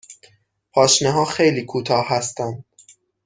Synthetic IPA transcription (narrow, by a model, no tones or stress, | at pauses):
pʰɒːʃneɦɒːxejliːkʰuːt̪ʰɒːhhæst̪ænd̪̥̚